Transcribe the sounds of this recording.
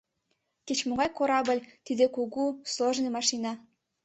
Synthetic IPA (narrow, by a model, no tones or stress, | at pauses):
ket͡ɕmoɣɑjkoɾɑbə̆lʲt̪id̪ekuɣusloʒnemɑʃinɑ